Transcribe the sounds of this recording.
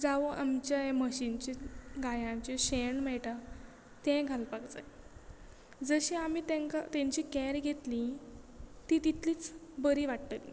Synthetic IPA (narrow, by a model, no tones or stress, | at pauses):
d͡zaʋoʔamt͡ɕjaɦeməɕint͡ɕiɡajamt͡ɕeɕeɳmɛɭʈa | t̪ɛ̃ɡʱalpaɡd͡za̰j | d͡zəɕĩamit̪ẽŋkat̪ɛ̃ɲt͡ɕikɛɾɡʱet̪lĩ | t̪ĩt̪it̪ʰliːt͡sbəɾiʋaʈt̪əlḭ